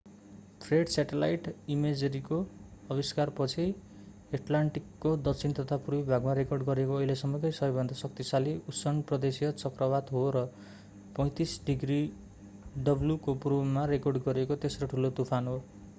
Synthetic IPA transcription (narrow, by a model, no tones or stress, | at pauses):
t̪ʰreɖsaʈelajʈimed͡zeɾikoʌbiskarpʌt͡sʰi | eʈlaɳʈikːod̪ʌkt͡sʰint̪ʌt̪ʰapurbibʱaɡmaɾekorɖɡʌɾekoʌɦilesʌmʌkʌjsʌjbʱʌnd̪ʱasʌk̚t̪isaliusʌnprʌd̪esijʌt͡sʌkrʌbat̪ɦoɾʌ | pʌj̃t̪isɖiɡri | ɖʌbljukopromːaɾekorɖɡʌɾekot̪esroʈʰulot̪upʰanɦo